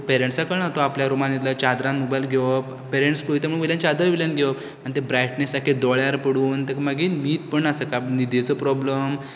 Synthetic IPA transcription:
peɾeɳʈsakəɳat̪ɔapljaɾumanit̪lət͡ɕad̪ɾãnmubajlɡʱep | peɾẽɳʈspojit̪emũɭ̃ʋiljãnt͡ɕad̪əɾʋiljanɡʱeʋəp | anit̪ebɾaʈnesakʰed̪ɔɭjaɾpəɽuːnt̪əkmaɡimiːt̪̚pəɳasəkanid̪et͡sɔpɾɔbləm

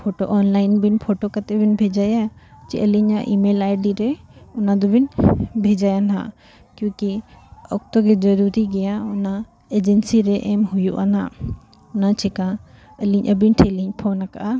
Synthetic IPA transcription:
pʰoʈoʔɔnlajnbinpʰoʈokat̪ɛbinbʱɛd͡ʒajat͡ʃḭʔəliɲaʔimelajɖiɾɛunad̪ɔbinbʱɛd͡ʒajana̰ | kjũkiɔk̚t̪ɔɡɛd͡ʒəɾuɾiɡɛjauna | ed͡ʒɛnsiɾɛʔɛmhujṵʔana | unat͡ʃʰɛkã | əliɲʔəbinʈʰeliɲpʰɔnaka̰ʔa

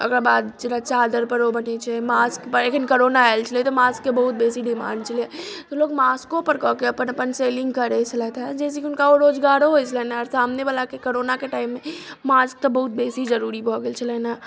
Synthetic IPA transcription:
əɡɾabaːd̪d͡ʒəɾat͡ʃad̪əɾpəɾobənɛt͡ʃʰɛmaskpəɾekʰənkoɾonaaɪlt͡ʃʰəliet̪omaskːebəɦut̪̚besiɖimã̰ːɳɖ̚t͡ʃʰəliet̪oloːɡmaskopəɾkɔɦkeəpənəpənselɪ̃ŋɡkəɾɛt͡ʃʰəlɛt̪ɛd͡ʒɛːsekiʊnkaoɾoːd͡ʒɡaɾoɦojt͡ʃʰəlɛnaɔɾsamnebalakekoɾonakeʈaɪmːemask̚t̪ɔbəɦut̪̚beːsid͡ʒəɾuɾibʱɔɡelt͡ʃʰəlɛna

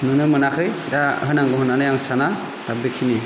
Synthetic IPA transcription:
nɯnɯmɯnakʰɯjdahɯnaŋɡɯɦɯnanɯjaŋsana | d̥abekʰini

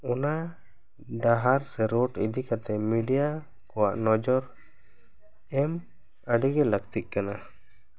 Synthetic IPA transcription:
ɔna | ɖaɦaɾsɛɾɔʈḭd̪ʱikat̪ɛmiɖija | kɔwa̰ʔnɔd͡ʒɔɾ | ɛm | əɖiɡɛləɡt̪it̪̚ˀkana

